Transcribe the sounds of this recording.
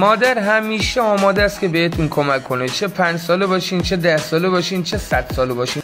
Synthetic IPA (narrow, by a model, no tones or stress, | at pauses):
mɒːd̪æɾɦæmiːʃeɒːmɒːd̪ææst̪̚cʰʲe̞behet̪ʰunkʰomækʰːo̞net͡ʃʰe̞pʰæːnd͡ʒsɒːlebɒːʃiːnt͡ʃʰe̞d̪æhsɒːlebɒːʃiːnt͡ʃʰe̞sæd̪̥sɒːlebɒːʃiːn